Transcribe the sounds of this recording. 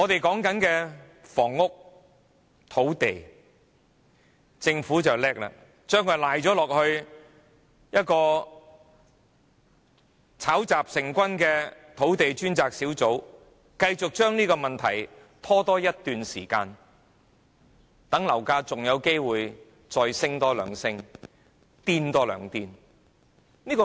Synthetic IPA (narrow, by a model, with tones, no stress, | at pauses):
ŋɔː˨˧t̪e˨jkɔː˨˥ŋkɐ˨˥nkɛː˧ | fɔː˨˩ŋːʊ˥k̚ | t̪ʰo˨˥wt̪e˨j | t͡sɪ˧ŋfuː˨˥t͡sɐ˨wlɛː˥k̚la̰ː˧ | t͡ʃœː˥ŋkʰœ˨˧˩laː˨jɔː˨˥lɔː˨k̚hɵ˧ɥ | jɐ˥t̚kɔː˧ | t͡sʰaː˨˥wt͡saː˨p̚sɪ˨ŋkʷɐ˥nkɛː˧t̪ʰo˨˥wt̪e˨jt͡ʃyː˥nt͡saː˨k̚siː˨˥wt͡so˨˥w | kɐ˧jt͡sʊ˨k̚t͡ʃœː˥ŋniː˥kɔː˧mɐ˨nt̪ʰɐ̰˨˩j | t̪ʰɔː˥t̪ɔː˥jɐ˥t̚t̪yː˨nsiː˨˩kaː˧n | t̪ɐ˨˥ŋlɐ˨˩wkaː˧t͡sʊ˨ŋjɐ˨˧wke˥jwuː˨j | t͡sɔː˧jsɪ˥ŋt̪ɔː˥lœ̰ː˨˧ŋsɪ˥ŋ | t̪iː˥nt̪ɔː˥lœ̰ː˨˩ŋt̪iː˧˥n | niː˥kɔ˧